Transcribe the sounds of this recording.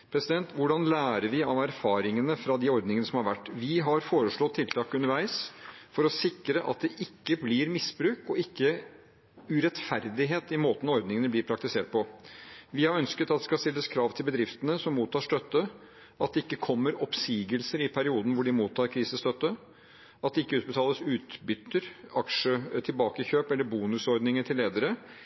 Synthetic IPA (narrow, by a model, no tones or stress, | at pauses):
pʰɾɛsɪd̪ɛnt̪ʋʊɖɑnlæːɾəɾʋɪɑʋæɾfɑːɾɪŋənəfɾɑd̪ɪɔɾd̪nɪŋənəsɔmhɑɾʋæʈːʋɪɦɑɾfoːɾəʂɭɔt̪ʰːɪlt̪ʰɑːkʉnəɾʋæɪsfɔɾɔsɪkɾəʔɑ̰t̪̚d̪ɛʔɪkːəblɪɾmɪsbɾʉːkɔɪkːə | ʉɾɛt̪fæɾd̪ɪɦeːt̪ɪmoːt̪n̩ɔɔɾd̪nɪŋənəblɪːɾpʰɾɑk̚t̪ɪseːʈ̚pʰɔʋɪhɑɾœnskət̪ɑt̪̚d̪ɛskɑst̪ɪlːəskʰɾɑːʋt̪ʰɪlbəd̪ɾɪft̪ənəsɔmːuːt̪ʰːɑːʂt̪œt̪ːə | ʔɑt̪̚d̪ɛɪkːəkʰɔmːəɾɔpsiːɡəlsəɾɪpʰæɾɪuːd̪n̩ʋʊɖɪmuːt̪ʰːɑːɾkʰɾiːsəst̪œt̪ːə | ɑt̪̚d̪ɛɪkːəʉːt̪̚bət̪ʰɑːləsʉːt̪bʏt̪ːəɾɑkʂət̪ʰɪlbɑːkəçøːpɛlːəɾbuːnʉsɔɾd̪nɪŋəʈ̪ʰɪlːeːd̪əɾə